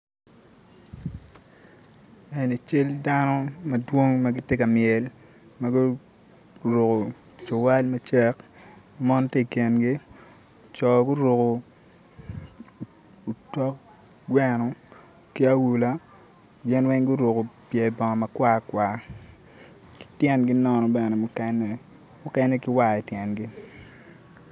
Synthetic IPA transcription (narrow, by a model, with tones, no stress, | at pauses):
ɛ˨ni˨t͡ʃɪ˦lda˦nɔ˦mɐ˨dwo˦ŋma˦ɡɪ˦tje˦ka˨mjɛ˨l | ma˦ɡʊ˦ | ɾo˨ko˨ | t͡ʃo˨wa˦lmɐ˦t͡ʃɛ˦k | mɔ˦nte˦˨ke˨nɡi˦˨ | t͡ʃɔ˨ɡʊ˦ɾo˨ko˨ | u˨tɔ˦k | ɡwɛ˦nɔ˨ | kɪ˦a˦wu˨la˦ | ɡɪ˦nwɛ˦ŋɡu˦ɾo˨ko˨pjɛ˨bɔ˨ŋɔ˨ma˨kwa˦kwa˨ | ki̥˨tjɛ˦nɡi˦nɔ˦nɔ˨bɛ˨nɛ˨mʊ˦kɛ˦nɛ˨ | mʊ˦kɛ˦nɛ˦ki˦wa˦˨ɛ˨tjɛ˨nɡi˦